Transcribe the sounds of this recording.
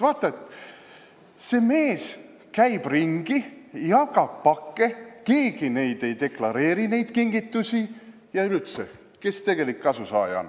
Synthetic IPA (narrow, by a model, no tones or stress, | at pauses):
vɑːt̪ːˑɑet̪ | se̞me̞ːs | kæjb̥riŋɡ̥ijɑkɑb̚pɑkːeke̞ːɡ̥ine̞jd̪̥e̞jd̪e̞klɑɾe̞ːɾine̞jd̪̥kiŋɡit̪ːˑusʲi | jɑylyt̪se | ke̞st̪e̞ɡ̥e̞likːɑsusɑ̰ːjɑ̰n